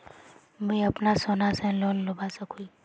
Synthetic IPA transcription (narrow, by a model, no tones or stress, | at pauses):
mẽɐpnasoːnasẽloːlːʊbasəkʰui